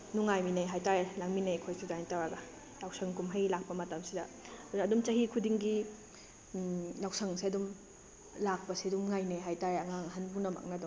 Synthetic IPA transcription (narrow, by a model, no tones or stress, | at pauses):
nuŋajminajɦajtaɾelaŋminajkʰojsidajnitawɾaɡɐ | jawsɐŋkumɦajlak̚pɐmɐtɐmsidɐdunːdumt͡ʃɐɦikʰudiŋɡi | lawsʰɐŋsiɐdum | lak̚pɐsiɐdumŋajnaɦajtaɾeɐŋaŋɦɐnbuŋnɐma̰k̚nɐduŋ